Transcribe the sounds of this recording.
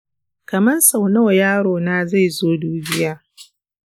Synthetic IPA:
kɐ˨mɐ˦nsa˨wnɐ˦wjaː˦ɽoː˨naː˦za˦˨jzoː˦duː˦bɪ˦jaː˦

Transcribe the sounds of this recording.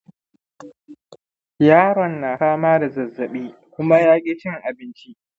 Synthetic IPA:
jaː˦ɾɔ˨nːaː˨saː˦maː˦da˨zɐ˨zːɐ˨ɓiː˦ | kʷʊ˦ma˦jaː˦kʲʼiː˦t͡ʃɪ˦ŋʔa˨bɪ˦nt͡ʃi˦

